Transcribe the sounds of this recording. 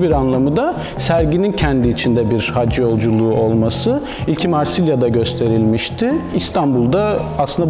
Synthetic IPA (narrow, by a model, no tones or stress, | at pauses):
biɾanlˠamɯd̪a | sæɾɟinincʰɛnd̪iːt͡ʃʰind̪ɛbiɾhad͡ʒjo̞lˠd͡ʒulˠuːo̞lˠmasɯ | ilʲcʰimaɾsilʲjad̪aɟø̞st̪ʰe̞ɾilʲmiʃt̪ʰɪist̪ʰanbulˠd̪aaslɯnd̪